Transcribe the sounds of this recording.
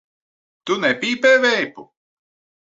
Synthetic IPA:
t̪unɛpiːpɛːvɛjpṵ

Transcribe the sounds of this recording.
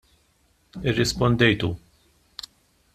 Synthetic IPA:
ɪrːɪspɔnd̪ɛjt̪u

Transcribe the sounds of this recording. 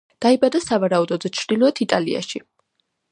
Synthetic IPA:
d̪̥aibad̪asavaɾaud̪ɔd̪zɛt͡ʃʰɾd̪̥ilˠɔɛt̪ʰit̪ʼalḭa̰ʃi

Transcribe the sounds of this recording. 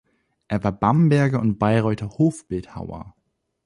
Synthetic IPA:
ʔeːɐvaːɐbambɛɐɡɐʊntb̥aɪʁɔʏtʰɐhoːfb̥ɪltha̰ʊɐ̰

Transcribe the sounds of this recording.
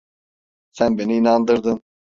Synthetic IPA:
sænbeniːnɑnd̪ɯɾd̪ɯn

